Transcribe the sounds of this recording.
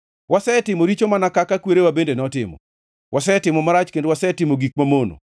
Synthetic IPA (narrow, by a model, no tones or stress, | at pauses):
wasɛtɪmoɾit͡ʃomanakakakweɾewabendenɔtɪmɔ̰ | wʔasɛtɪmɔmaɾat͡ʃkendwasɛtɪmoɡik̚mamono̰